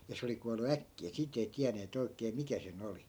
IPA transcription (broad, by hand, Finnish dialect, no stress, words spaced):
jɑ se oli kuɑlˑu ækːiæ siːt ei tiæneːt oikeː mikæ sen oli